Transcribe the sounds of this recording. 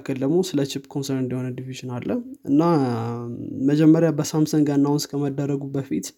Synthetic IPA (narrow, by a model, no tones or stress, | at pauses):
kʰːəld̪əɡmosɨlət͡ʃɪpkʰonsəɾɨnd̪əhonəd̪iviʒɪnalːəhʔɨnːa | məd͡ʒɛmːəɾjabəsamsəŋɡənːawnskʰəməd̪ːərːəɡubəfit̪